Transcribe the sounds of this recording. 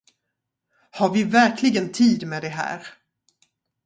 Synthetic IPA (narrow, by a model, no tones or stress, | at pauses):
haɾvɪvæɾkʰlɪɡənt̪ʰiːd̪mɛːd̪ɛɦæ̰ːɾ